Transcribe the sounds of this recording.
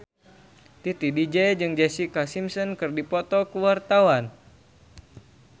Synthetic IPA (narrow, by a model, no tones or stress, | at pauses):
t̪it̪idid͡ʒɛd͡ʒɨŋd͡ʒɛsikasimsɔnkɨrdipɔt̪ɔkuwart̪awan